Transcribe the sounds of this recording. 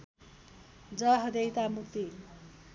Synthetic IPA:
d͡zʌɦʌd̪ejt̪amuk̚t̪i

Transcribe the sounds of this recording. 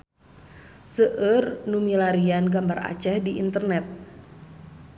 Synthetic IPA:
səʔərnumilaɾianɡambara̰t͡ʃɛhdiʔḭnt̪ərnɛt̪̚

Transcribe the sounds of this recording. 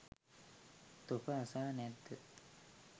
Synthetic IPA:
t̪opəːsaːnɛt̪ːə

